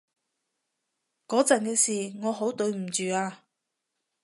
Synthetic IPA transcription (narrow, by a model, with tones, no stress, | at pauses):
kɔː˨˥t͡sɐ˨nkɛː˧siː˨˩ŋɔː˨˧ɦo˨˥wt̪ɵ˨˧ɥm̩˨˩t͡ʃyː˨aː˧